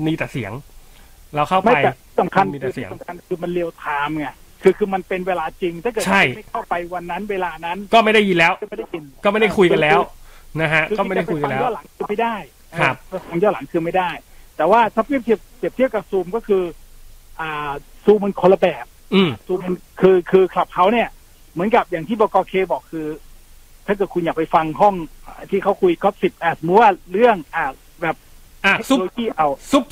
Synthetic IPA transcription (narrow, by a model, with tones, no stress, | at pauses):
niː˧t̪ɛː˨˩si˨˩˦əŋ | ɾa˧wkʰa˥˩wma˥a˩˧jɛ˨˩t̪ʰi˥˩sa˩˦mkʰa˧niː˧t̪ːsi˩˦smkʰa˧nkʰɯː˧ma˧nli˧əwt̪ʰaː˧mŋa˧˩kʰɯː˧kʰɯː˧ma˧npe˧nweː˧laː˧t͡ɕi˧ŋt̪ʰa˥˩kɤː˨˩t͡ɕʰa˥˩jma˥˩jkʰa˥˩wpa˧jwa˧nːa˦˥nweː˧laː˧na˦˥nkɔː˥˩ma˥˩jda˥˩ji˧nlɛː˦˥wʔma˥˩da˥˩jki˧nkɔ˥˩ma˥˩da˥˩jkʰu˧jka˧nlɛː˦˥wna˦˥kʰa˦˥ʔkɯ˧ɔː˥˩˧a˥˩a˥˩jku˧jka˧lːjɔː˥˩la˩˦ŋkʰɯː˧ma˥˩jdaː˥˩j | kʰɾa˥˦˥p̚ʰa˧ŋjɔː˥˩la˩˦ŋkʰɯː˧ma˥˩jdaː˥˩jt̪ɛː˨˩waː˥˩t̪ʰa˦˥p̚wi˥˩t̪ʰi˧˩p̚si˨˩pt̪ʰi˥˩əwka˨˩p̚suː˧mkɔː˥˩kʰɯː˧ʔaː˨˩suː˧mɯ˧nkʰo˧la˧bɛː˨˩p̚ːsuː˧mːa˧nkʰɯː˧kʰɯː˧kʰla˨˩p̚kʰa˦˥wni˥˩ɐ | mɯ˩˦nka˨˩p̚jaː˨˩ŋt̪ʰiː˥˩bɔː˧˩kɔː˧kʰeː˧bɔː˨˩kʰːɯː˧ | t̪ʰa˥˩k̬ɤː˨˩t̚kʰu˧njaː˨˩k̚pa˧jfa˧ŋɦɔ˥˩ŋʔaː˨˩t̪ʰiː˥˩kʰa˦˥wkʰu˧jkɔ˦˥˩p̚si˨˩p̚ʔa˧˩sa˨˩mu˦˥t̚waː˥˩ɾɯ˥˩əŋʔaː˨˩ | bɛː˨˩p̚ | a˧˩e˦˥˦loː˧kiː˥˩ʔa˧wu˦˥